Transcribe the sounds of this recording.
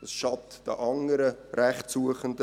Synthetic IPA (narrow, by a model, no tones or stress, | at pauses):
d̥ɑsʃɑptd̥ə̰ʔɑŋəɾəɾæχtsuəχəndə